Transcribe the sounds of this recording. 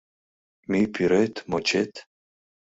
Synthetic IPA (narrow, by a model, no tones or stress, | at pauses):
mipʰiɾet̪ʰmot͡ʃʰet̪ʰ